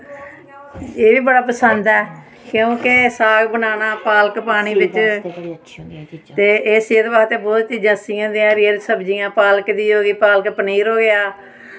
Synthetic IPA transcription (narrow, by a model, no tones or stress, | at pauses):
eːʋiːbəɽaːpəsənd̪ɛː | kjõːkesaːɡbənaːnaːpaːləkpaːɽ̃iːbɪt͡ʃ | t̪eːʔeːseːd̪baːt̪eːbɔːt̪t͡ʃiːd͡ʒãːsɪjãːd̪ɪjãːɾeɾsəbd͡ʒɪjãːpaːləkd̪iːoːɡiːpaːlkpəniːɾɦoːɡɪaː